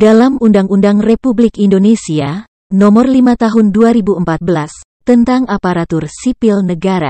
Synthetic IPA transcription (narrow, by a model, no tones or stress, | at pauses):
dalamundaŋundaŋrepublɪkindonesia | nɔmɔrlimat̪aɦʊnduaɾibuəmpat̪̚bəlas | t̪ənt̪aŋapaɾat̪ʊrsipilnəɡaɾa̰